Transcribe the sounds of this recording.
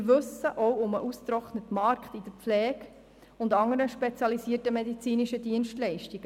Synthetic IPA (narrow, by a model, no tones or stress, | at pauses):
ɾʋɵsəʔɔwʊməʔustɾɔχnətmɑɾkχtid̥əflɛːk | ʊndɑŋəɾəʃpet͡sjɑlisiətəmedit͡siːniʃədiənʃtlɛɪʃtiɡ̥ə